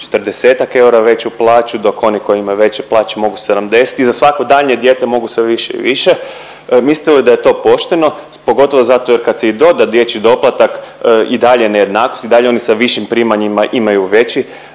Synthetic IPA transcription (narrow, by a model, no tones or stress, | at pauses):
t͡ʃe̥t̪rd̪ese̞ːt̪ake̞uɾaʋe̞t͡ɕuplˠaːt͡ʃud̪o̞ko̞niko̞jiimajuʋe̞t͡ɕeplˠaːt͡ɕemo̞ɡusenamd̪e̞si̥t̪izasʋakod̪aʎɲe̞d̪jeːt̪e̞mo̞ɡusʋeʋiʃeḭʋiʃe̞ | misli̥t̪elid̪aje̞t̪o̞ːpo̞ʃt̪e̞no̞ | po̞ɡo̞t̪o̞ʋozat̪o̞je̞ɾkad̪seid̪o̞d̪ad̪je̞t͡ɕid̪o̞plˠat̪akʔid̪aʎeneje̞d̪naːkost̪id̪aʎeo̞nisaʋiʃimpɾiːmaɲimaʔimajuʋe̞t͡ɕi